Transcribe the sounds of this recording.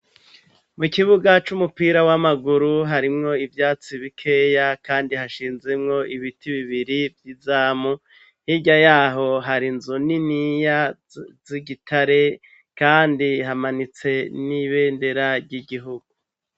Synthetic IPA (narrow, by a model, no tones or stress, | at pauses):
mukiβuɡat͡ʃumupiːɾawamaɡuɾuɦaɾimŋo̞ivjaːt͡siβikʰeːjakaːndihaʃiːnzemŋo̞ʔiβitiβiβiɾivjizaːmu | hiɟajaːɦo̞ɦaɾinzuninija | ziɡitʰaɾe̞ | kaːndiɦamanit͡se̞niβe̞ːnde̞ɾaɾɟiɡiɦuɡu